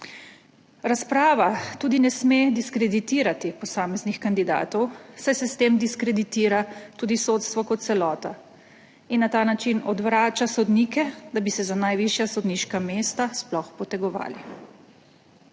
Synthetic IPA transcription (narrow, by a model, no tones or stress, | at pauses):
ɾaspɾaːʋat̪uːd̪inɛsmed̪iskɾɛd̪it̪iːɾat̪ipɔsaːmɛznixkand̪id̪a̰ːt̪ɔwsajsɛst̪eːmd̪iskɾɛd̪it̪iːɾat̪uːd̪isot̪st̪ʋɔkɔt̪t̪sɛlɔːt̪a | inːat̪aːnat͡ʃinɔd̪ʋɾaːt͡ʃasɔd̪niːkɛd̪abisɛzanajʋiʃjasɔd̪niːʃkameːst̪asplɔxpɔt̪ɛɡɔʋa̰ːli